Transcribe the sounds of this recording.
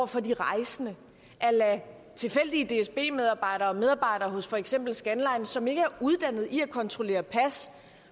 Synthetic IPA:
ɐfɒ̽diʁɑ̈ɪsənə | ʔælæ | t͡sʰe̝lfel̰d̥iəd̥e̝esb̥e̝̰ːmeð̞ˠɑ̈ːb̥ɑ̈ɪ̰ɾɐ̽ːmeðˠɑ̈ːb̥ɑ̈ɪɾɐːɦɔ̽sfɒ̽eɡ̥sem̰b̥l̩sɡ̥ænlɑ̈ɪnsɒ̽me̝ɡ̥əæɐuð̞ˠd̥æn̰ð̩ˠiækʰɒ̽nt͡sʰʁo̝le̝̰ːɐpʰæs

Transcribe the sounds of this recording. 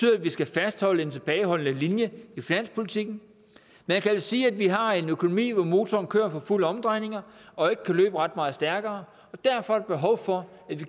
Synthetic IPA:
yðˠædʋisɡ̥æfæsd̥hɒ̽l̰əe̝nt͡sʰe̝b̥ɛːɪɦɒ̽l̰ənəlinjəifinæn̰spʰo̝lit͡sʰiɡ̥n̩ | meækʰæsiːæd̥ʋiɦɑ̈e̝nøkʰo̝no̝mḭːʋɒmo̝ːt͡sʰɒːnkʰø̰ːɐfɒ̽fuləɒ̽md̥ʁɑ̈ɪne̝ŋɐʔɒ̽e̝ɡ̥əkʰælø̰ːb̥əʁɑd̥̚mɑ̈ːð̩ˠsd̥æɐɡ̥ɐː | ɒ̽d̥æɐfɒ̽æɾ̥eb̥e̝ɦɒ̽ʊfɒ̽ | æd̥ʋi

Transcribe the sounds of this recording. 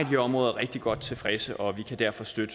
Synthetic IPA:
diɒ̽mʁɔ̽ːðˠɐʁɛɡ̥̚d̥iɡ̥ɒ̽d̥̚t͡sʰe̝lfʁɛsəʔɒ̽ʋikʰæd̥æɐfɒ̽sd̥ød̥ə

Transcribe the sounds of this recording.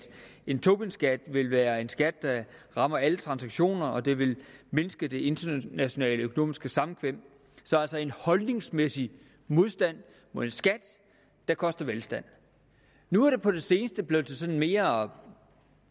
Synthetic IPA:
e̝nt͡sʰo̝b̥insɡ̥æd̥ʋe̝lʋæːɐe̝nsɡ̥æd̥̚ːɑ̈ʁɑ̈mɐælət͡sʰʁɑ̈nsæɡ̥ɕo̝̰ːnɐɒ̽d̥e̝ʋe̝lme̝nəsɡ̥əd̥e̝e̝nd̥ɐnæɕo̝nɛ̰ːləøkʰo̝no̝̰ːmisɡ̥əsɑ̈mn̩kʰʋem̰ | sɒ̽ælsɒ̽e̝nhɒ̽lne̝ŋsmesi | mo̝ðˠsd̥æn̰ | mo̝ðˠensɡ̥æd̥ | d̥ɑ̈kʰɒ̽sd̥ɐʋelsd̥æn̰ | nuæɐɾ̥e̝pʰɒ̽ɾ̥e̝se̝ːnəsd̥əb̥leðˠsʰesɒ̽nn̩me̝ːɐɒ̽

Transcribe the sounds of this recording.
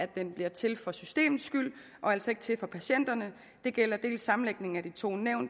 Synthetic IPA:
æd̥d̥enb̥liɐt͡sʰe̝lfɒ̽sysd̥e̝̰ːmð̩ˠsɡ̥yl̰ | ʔɒ̽æl̰sɒe̝ɡ̥t͡sʰe̝lfɒ̽pʰæɕen̰d̥ɐnə | d̥e̝ɡ̥el̰ɐd̥e̝̰ːlsːɑ̈mn̩leɡ̥̚ne̝ŋ̩æd̥it͡sʰo̝̰ːneʊ̰nd̥

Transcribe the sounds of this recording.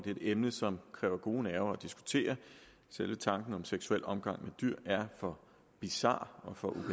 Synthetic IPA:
d̥e̝ed̥emnəsɒ̽mkʰʁɛ̰ːʊɐɡ̥o̝ːnæɐʊɐɒd̥isɡ̥u̥t͡sʰe̝̰ːɐ | selʋət͡sʰɑ̈ŋɡ̥n̩ɒ̽mseɡ̥suel̰ɒ̽mɡ̥ɑ̈ŋ̰med̥yɐ̰æɐfɒ̽ | b̥isɑ̰̈ːɒ̽fɒ̽ʔub̥

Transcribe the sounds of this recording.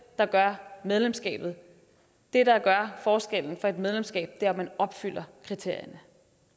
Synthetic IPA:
d̥ɑ̈ɡ̥ɶɐmeð̞ˠlemsɡ̥ɛ̰ːb̥ð̞̩ˠ | d̥e̝ɾɑ̈ɡ̥ɶɐfɒːsɡ̥el̰n̩fɒ̽e̝d̥með̞ˠlemsɡ̥ɛ̰ːb̥̚d̥eɐmænɒ̽b̥fyl̰ɐkʰʁit͡sʰe̝ɐ̰jɐnə

